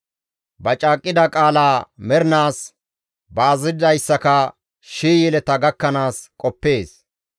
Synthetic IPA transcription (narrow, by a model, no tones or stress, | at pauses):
bɐt͡ʃʼaːkʼːɪd̪ɐkʼaːlaːmɛɾnaːs | bɐːzɪd̪ɐjsːɐkɐ | ʃiːjɛlɛt̪ɐɡɐkːɐnaːskʼɔpːe̞ːs